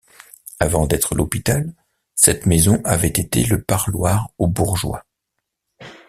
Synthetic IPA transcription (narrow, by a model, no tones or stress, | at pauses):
avɑ̃d̪ɛt̪χəlʔɔpit̪al | sɛt̪mezɔ̃ʔavɛt̪et̪ḛləpaʁlwaʁobuʁʒwa̰